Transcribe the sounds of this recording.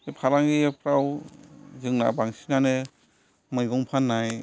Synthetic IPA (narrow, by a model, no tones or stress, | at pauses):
epʰaɾaŋɡipʰɾaw | zɯŋna̰baŋsinane | mɯjɡɔŋpʰanːaj